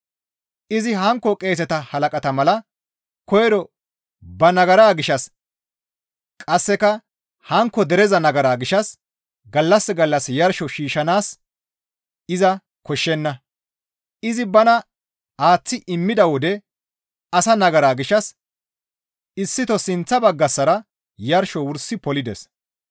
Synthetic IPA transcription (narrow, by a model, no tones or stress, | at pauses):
ʔɪzɪɦɐŋkːɔkʼe̞ːsɛt̪ɐhɐlɐkʼɐt̪ɐmɐlɐ | kɔjɛd̪ɔ | bɐnɐɡɐɾaːɡɪʃɐs | kʼɐsːɛkɐ | hɐŋkːɔd̪ɛɾɛzɐnɐɡɐɾaːɡɪʃɐs | ɡɐlːɐsːɛɡɐlːɐsjɐɾʃɔʃiːʃɐnaːs | ɪzɐ | kɔʃːɛnːɐ | ɪzɪbɐnɐ | aːt͡sːɪʔɪmːɪd̪ɐwɔd̪ɛ | ɐsɐnɐɡɐɾaːɡɪʃɐs | ɪsːɪt̪ɔsɪnt͡sːɐbɐɡːɐsːɐɾɐ | jɐɾʃɔwʊɾsːɪpɔlɪd̪ɛ̰s